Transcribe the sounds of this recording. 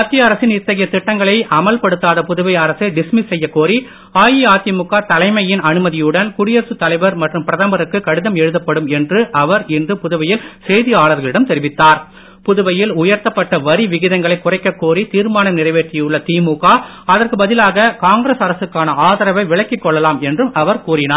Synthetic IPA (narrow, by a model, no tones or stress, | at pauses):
aːt̪ːɪjɐɐɾɐsɪnɪt̪ːɐɣɐjɐt̪ɪʈːɐŋɡɐɭɐɪʔɐmɐlpɐɽɯt̪ːaːðɐpʊðɯʋɐɪɐɾɐsɐɪɖɪsmɪsɛjːɐkːoːri | aːjiaːt̪ɪjɐmʊkːaːt̪ɐlɐɪmɐjɪnɐnɯmɐðɪjɯɽɐnkʊɽɪjɐɾsɯt̪ɐlɐɪʋɐɾmɐʈrɯmpɪɾɐðɐmbɐɾɯkːɯkɐɽɯðɐmɛɻɯðɐpːɐɽɯmɛndrɯʔɐʋɐɾɪndrɯpʊðʊʋɐjɪlsɛjðɪaːɭɐɾɣɐɭɪɽɐmt̪ɛɾɪʋɪt̪ːaːɾ | pʊðʊʋɐjɪlʊjɐɾt̪ɐpːɐʈːɐʋɐɾiʋɪɣɪðɐŋɡɐɭɐɪkːʊrɐɪkːɐkːoːrit̪iːɾmaːnɐnɪrɐɪʋeːʈrɪjjɯɭːɐt̪iːmuɣaː | ɐðɐrkɯbɐðɪlaːɣɐkaːŋɡɾeːsɐɾɐsɯkːaːnɐaːðɐɾɐʋɐɪʋɪɭɐkːɪkːɔɭːɐlaːmɛndrɯmʔɐʋɐɾkuːrɪnaː